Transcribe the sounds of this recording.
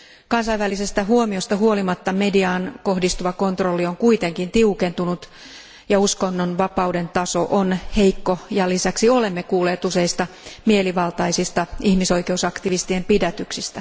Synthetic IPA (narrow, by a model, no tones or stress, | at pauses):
kɑnsɑjʋʋælise̞st̪æɦuomio̞st̪ɑɦuolimɑt̪ːɑme̞diɑːnko̞hdist̪uʋɑko̞nt̪ro̞lːioŋkuit̪e̞ŋkint̪iuke̞nt̪unut̪ | jɑusko̞nːonʋɑpɑwde̞nt̪ɑso̞ʔonheikːo̞jɑlisæksio̞le̞mːe̞kuːleːt̪use̞ist̪ɑ | mieliʋɑlt̪ɑisist̪ɑihmiso̞ijkeusɑkt̪iʋist̪iempidæt̪yksist̪æ